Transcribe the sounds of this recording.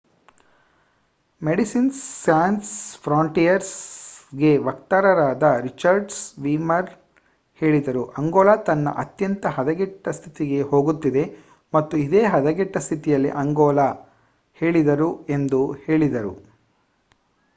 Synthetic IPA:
meɖisinːaːnspʰɾaːɳʈijɐɾsɡe̞ʋɐkt̪aːɾɐɾaːd̪ɐɾit͡ʃɐɾɖsʋiːmɐɾ | he̞ːɭid̪ɐɾuʔɐŋɡɔːlaːt̪ɐnːɐ̰ʔɐt̪jɐnt̪ɐɦɐd̪ɐɡɛʈːɐst̪ʰit̪iɡe̞ho̞ːɡut̪ːid̪e̞ | mɐt̪ːuid̪eːɦɐd̪ɐɡiʈːɐst̪ʰit̪ijɐlːḭʔɐŋɡɔːla | he̞ːɭid̪ɐɾue̞nd̪uhe̞ːɭid̪ɐɾṵ

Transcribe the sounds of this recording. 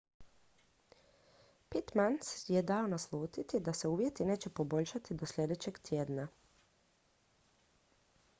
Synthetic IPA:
pit̪mansje̞d̪ao̞naslˠuːt̪it̪id̪ase̞uːʋje̞t̪ine̞ːt͡ɕe̞po̞bo̞ʎʃat̪id̪o̞slʎʲe̞d̪e̞t͡ɕe̞ɡt̪jeːd̪na

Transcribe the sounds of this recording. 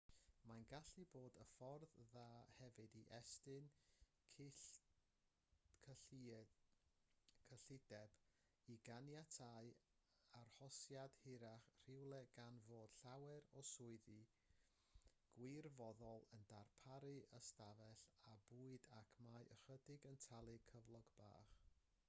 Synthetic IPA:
manɡaɬiboːdəfɔrððaːhɛvɨdiʔɛstɨnʰ | kʰ | kʰəɬɪdɛb̥ | iɡanjatʰaɨ | arhɔsjad̥hɪɾaχr̥ɪwlˠɛɡ̥anvoːd̥ɬawɛɾɔsʊɨðɨ | ɡ̥wɪrvɔðɔlˠəndarpʰaɾɨʔəstavɛɬabuːɨdakʰmajʔəχədɪɡəntʰalˠɨkʰəvlˠɔɡba̰ːχ

